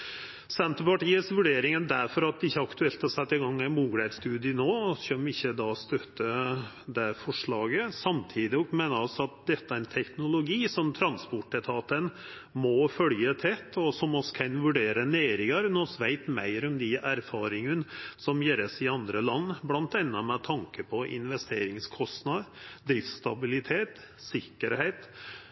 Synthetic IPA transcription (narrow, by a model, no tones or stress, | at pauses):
sɛnt̪əɾpɑʈiːəsʋʉɖeːɾɪŋənd̪æɾfɔɾɑt̪̚d̪ɛɪçːəɑkt̪ʉɛlt̪hɑsɛt̪ːɪɡɑŋːɛnmuːɡlæd̪st̪ʉːd̪ɪənoːɕœmɪçːəd̪ɑːst̪œt̪ːə | d̪æfɔʂɭɑːɡəsɑmt̪ʰiːd̪ɪɔkmeːnəɑlsɔɑt̪̚d̪ɛt̪ːəæɾɛnt̪ʰɛknʊlʊɡiːsɔmt̪ʰɾɑnspɔʈːɛt̪ʰɑːt̪ən | mɔfœljət̪ʰɛt̪ːɔsɔmɔsɔ̥kʰɑnʋʉɖeːɾəneːɾɪŋəɾnɔsʋæɪt̪mæ̰ɪɾɔmd̪ɪʔæɾfɑːɾɪŋənsɔmjeːɾəsɪɑnd̪ɾəlɑnːblɑnt̪ɛnːɑmɛt̪ʰɑŋkəpʰɔʔɪ̰nʋɛst̪eːɾɪŋskʰɔst̪nɑd̪d̪ɾɪfst̪ɑbɪlɪt̪ʰeːt̪ | sɪkːəɾheɪt̪